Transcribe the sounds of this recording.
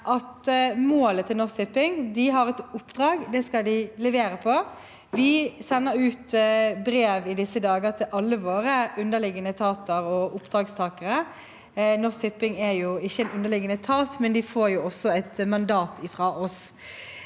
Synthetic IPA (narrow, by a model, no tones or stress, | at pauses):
ʔɑt̪moːlət̪ʰːɪlnɔst̪ɪpːɪŋd̪ɪɦɑɾɛt̪ʊpːd̪ɾɑːɡd̪ɛskɑld̪ɪlɛʋeːɾəpʰɔ | ʋɪsɛnːəɾʉːt̪bɾeːʋɪd̪ɪsːəd̪ɑːɡət̪ʰɪlʔɑlːəʋoːɾəʔʉnd̪əlɪɡənət̪ʰɑːt̪əɾɔʔʊpd̪ɾɑːɡst̪ʰɑːkəɾə | nɔst̪ʰɪpːɪŋæjʊɪçːəɛnʉnd̪əlɪɡənət̪ʰɑːt̪mɛnd̪ɪfoːɾjʊɔsːɔɛt̪mɑnd̪ɑːt̪ʰɪfʁɑːʔɔs